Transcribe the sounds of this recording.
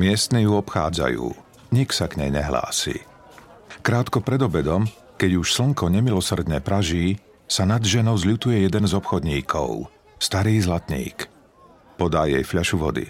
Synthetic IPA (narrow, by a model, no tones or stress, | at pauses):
mɪɛst̪nijuɔpxa̰ːd͡za̰jṵː | ɲiksaɡɲɛjɲɛɦla̰ːsḭ | kɾaːt̪kɔpɾɛd̪ɔbɛd̪ɔm | kɛɟuʃsl̩ŋkɔɲɛmilɔsr̩d̪ɲɛpɾaʒiː | sanad̪ʒɛnɔʊzlut̪ujɛjɛd̪ɛnzɔpxɔd̪ɲiːkʰɔ̰ʊ | st̪aɾiːzlat̪ɲḭːk | pɔd̪aːjɛjfʎaʃuʋɔ̰d̪ḭ